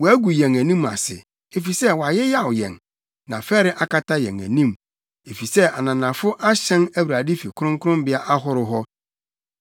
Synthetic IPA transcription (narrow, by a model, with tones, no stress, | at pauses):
wɔ˨æ˦ɡu˨jɛ̃˨ŋæ˨nĩ˦ma̰˨sɪ̰˨ | e˨fi˨sɛ˦wɔ˨a˨jɪ˦ja˦˨wʊ˨jɛ̰̃˨n | nã̰˨fɛ˦ɾɪ˦ʔa˦ka˦tʰa˦jɛ̰̃˨ŋæ̰̃˨nĩ˦m | e˨fi˨sɛ˦ʔa˨nã˨nã˨fʊ˦ʔa˦ɕɛ̃˦næ˦wɾa˨dɪ˦fi˨kʰʊ˦ɾʊ̃˦ŋ˦kʰʊ˦ɾʊ̃˦mbɪ˦a˦ʔa˦ɦʊ˦ɾʊ˦ɦɔ˦